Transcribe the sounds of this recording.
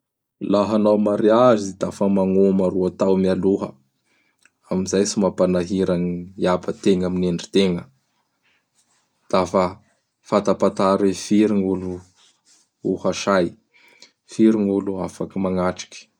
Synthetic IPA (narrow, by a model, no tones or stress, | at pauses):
laɦanawmaɾiazid̪̥afəmaŋomaɾuat̪awmialuɦə | amizajsimapanaɦiɾaniiabət̪eŋamineɳɖ͡ʐi̥t̪eŋə | d̪̥afə | fat̪apat̪aɾefiɾiŋulu | uhaʃaj | fiɾiŋuluafakimaŋaʈ͡ʂi̥kʲi̥